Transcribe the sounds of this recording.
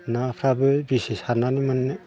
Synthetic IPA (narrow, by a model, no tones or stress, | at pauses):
napʰɾabɯbisisananimɯnːɯ